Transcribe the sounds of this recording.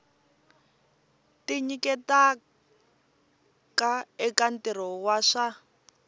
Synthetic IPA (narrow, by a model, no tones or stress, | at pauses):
tiɲikɛta | kaɛkantɛɾɔwaʂa